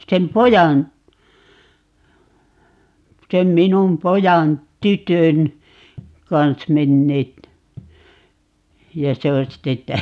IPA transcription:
sem pojɑn sem minum pojɑn tytøn kɑns menːeːt jɑ se on sitːe

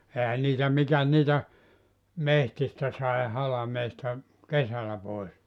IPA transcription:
ehæ niːtæ mikæs niːtæ mehtistæ sɑi hɑlɑmeːstɑ kesælæ pois

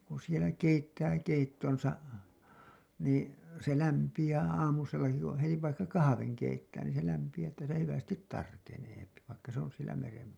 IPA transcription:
kun̞ sielæ keitːæː keitːonsɑ niː se læmpij̆æː ɑːmuselːɑki kũː heti ʋɑikːɑ kɑhɑʋeŋ keitːæː niːn se læmpij̆æː tːæ sielæ hyʋæstit tɑrkeneːpi ʋɑikːɑ se on sielæ meren

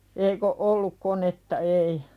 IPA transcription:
eik o olːuk konetːɑ ei

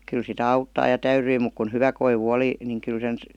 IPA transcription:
kyl sitæ ɑutːɑː jɑ tæyryi muk kun hyʋæ koiʋu oli niŋ kyl sen

